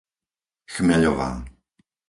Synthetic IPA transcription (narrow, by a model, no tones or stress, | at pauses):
xmɛʎɔva̰ː